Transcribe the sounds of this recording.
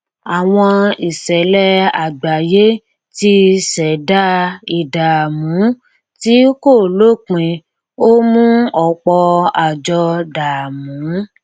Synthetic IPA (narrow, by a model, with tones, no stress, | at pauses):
a˨w̃ɔ̃˧i˨sɛ˨˦lɛ˦a˨ɡ͡ba˨je˦ | ti˧sɛ˨da˦i˨da˨mũ˨˦ | ti˦ko˦˨lo˦˨k͡pĩ˧ | o˦mũ˦ɔ˧˨k͡pɔ˧a˨d͡ʒɔ˧da˨mũ˨˦